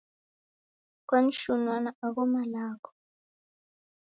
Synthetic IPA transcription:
kwan̩ʃunwanaaɣɔmalaːkʰɔ̥

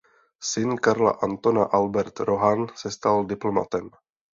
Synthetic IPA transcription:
sɪnkaɾla̰ʔant̪onaʔalbɛɾt̪ɾo̞ɦansɛst̪aldɪplo̞ma̰t̪ɛm

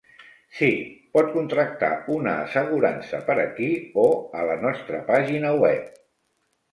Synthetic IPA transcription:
sipɔt̪̚kunt̪ɾək̚t̪a̰unəːsəɣuɾansəpəɾəkioələnɔst̪ɾəpaʒinəwɛp̚

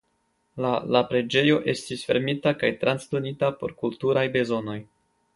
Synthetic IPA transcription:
lalapɾe̞d͡ʒe̞jo̞ʔe̞stisfe̞̰ɾmitakajtɾansdo̞nitapo̞ɾkultuɾajbe̞zo̞no̞j

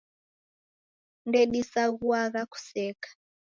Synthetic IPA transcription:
ndɛɗisaɣuaɣaku̥sɛːkḁ

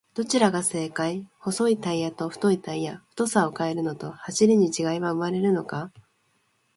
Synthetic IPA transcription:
d̪̥o̞t͡ɕiɾaɡase̞ːkaiho̞so̞it̪aijat̪o̞ɸɯ̥t̪o̞it̪aijaɸɯ̥t̪o̞sao̞kae̞ɾɯ̟no̞t̪o̞haɕiɾʲiɲ̟it͡ɕiɡaiβaɯmaɾe̞ɾɯ̟no̞ka

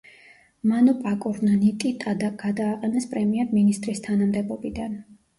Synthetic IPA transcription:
manɔpʼakʼuɾnanit̪ʼit̪ɡ̥ad̪aːqʼɛnɛspʼɾɛmiɛɾminist̪ʼɾist̪ʰanamd̪ɛbɔbid̪an

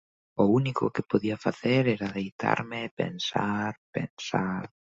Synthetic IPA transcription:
ounikʊ̰kepoðiafaθeɾɛɾaðejt̪ʰa̰ɾmɪpḛnsaɾpḛnsaɾ

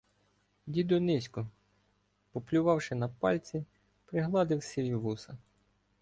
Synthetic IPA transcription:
dʲid̪ɔnɪsʲkʊ | pɔplʲʊʋɑwʃɪnɐpɑlʲt͡sʲi | pɾɪɦlˠɑd̪ɪwsʲijʲiʋusɐ

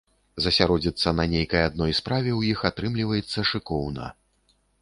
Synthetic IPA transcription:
zɐsʲaɾɔd͡zʲit̪sːɐnɐnʲejkɐjad̪̚nɔjspɾavʲɛwjixat̪ɾɨmlʲivɐjɛt̪sːɐʂɨkɔwnɐ̰

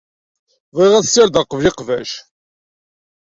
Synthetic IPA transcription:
ðˤeʁæsːɪɾd̪əqəvliqvæʃ

